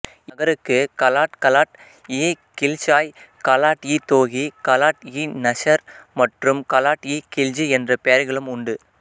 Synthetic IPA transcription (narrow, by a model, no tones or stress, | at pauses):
ɐɣɐɾɯkːɯkɐlaːʈkɐlaːʈ | eː | kɪlt͡ʃaːjkɐlaːʈjiːt̪oːɣikɐlaːʈjinɐʂɐɾmɐʈrɯmkɐlaːʈjiːkɪld͡ʒɯɛndrɐpɛjɐɾɣɐɭɯmʊɳɖɯ